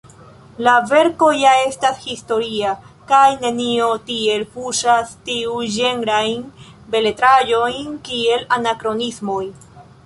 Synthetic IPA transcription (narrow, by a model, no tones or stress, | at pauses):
lave̞ɾko̞jae̞stashisto̞ɾia | kajne̞nio̞tie̞lpuʃastiud͡ʒe̞ŋɾajn | be̞le̞tɾajo̞jnkie̞lanakɾo̞nismo̞j